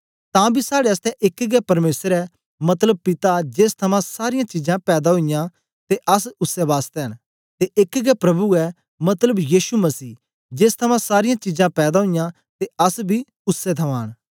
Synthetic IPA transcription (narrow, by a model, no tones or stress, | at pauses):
t̪ãːbʱisaːɽeɐst̪ɛʔɪkɡɛpɐɾmeːsɾɛ | mɐt̪ləb̚pɪt̪ad͡ʒeːst̪ʰɐmãsaːɾɪjãt͡ʃid͡ʒãpɛːd̪aɦoɪjã | t̪eʔɐsʊsːɛʋaːst̪eɦən | t̪eʔɪkɡɛpɾɐbuɛ | mɐt̪ləbjiːʃumɐsiː | d͡ʒeːst̪ʰɐmãsaːɾɪjãt͡ʃid͡ʒãpɛːd̪aɦojã | t̪eɐsbʱi | ʊsːɛt̪ʰɐʋãːɽ̃